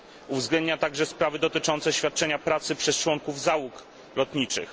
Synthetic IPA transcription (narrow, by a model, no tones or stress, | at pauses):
uvzɡlɛnd̪̚ɲat̪aɡʐɛspɾavɘd̪ɔt̪ɘt͡ʂɔnt̪sɛɕfʲat̪̚t͡ʂɛɲapɾat̪sɘpʂɛst͡ʂwɔŋkuvzawuk | lɔt̪ɲit͡ʂɘ̰x